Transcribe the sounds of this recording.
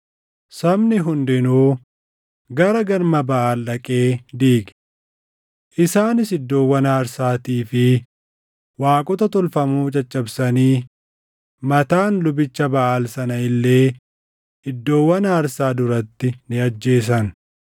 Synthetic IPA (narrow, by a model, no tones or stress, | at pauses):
sɐmnɪɦʊnd̪ɪnoː | ɡɐɾɐɡɐɾmɐbɐʔaːlːɐkʼe̞ːd̪iːɡ | ʔɪsaːnɪsɪd̪ːo̞ːwːɐnaːɾsaːt̪iːfɪ | waːkʼɔt̪ɐt̪ɔlfɐmuːt͡ʃʼɐt͡ʃʼːɐbsɐniː | mɐt̪aːnlʊbɪt͡ʃːɐbɐʔaːlsɐnɐɪlːe̞ː | ɪd̪ːo̞ːwːɐnaːɾsaːd̪ʊɾɐt̪ːɪnɪɐd͡ʒːe̞ːs̬ɐn